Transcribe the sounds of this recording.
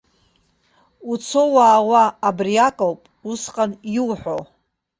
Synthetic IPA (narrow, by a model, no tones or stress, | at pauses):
ut͡sʰo̞waːwaːbrijakʼowpʼusqʼanjiwħʷᶣo̰